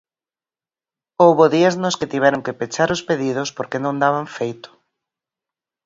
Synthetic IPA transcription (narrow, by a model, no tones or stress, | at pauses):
owβoðiaznosket̪iβɛɾʊŋkepet͡ʃaɾʊspeðiðʊspoɾkenõŋd̪aβ̞aɱfejt̪ʊ̥